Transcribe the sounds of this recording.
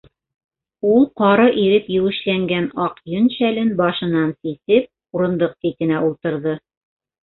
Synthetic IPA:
ulˠqɑɾɤʔiɾɘpjɘ̆wɘ̆ʃlæŋɡænɑqjɵnɕælɘnbɑʃɤ̆nɑnsisɘp̚ | uɾɤ̆nd̪ɤq̚t̪it̪ɘ̆næulˠt̪ɤ̆ɾðɤ

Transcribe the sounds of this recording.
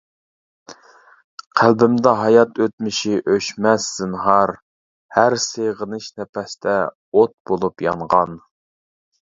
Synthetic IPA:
qʰælbɪmd̪ɛɦɑjɑt̪ʰøt̪̚mɪʃiʔøʃmɛsːɪnɦɑɾ | hæɾseʁənɨʃnɛpɛsd̪ɛ | ot̪̚bolˠupjɑ̰ɴʁɑn

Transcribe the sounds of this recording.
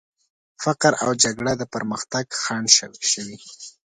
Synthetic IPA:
faqɾa̰wd͡ʒaɡɽad̪əpəɾməxt̪aɡxɑɳʃʃəwi

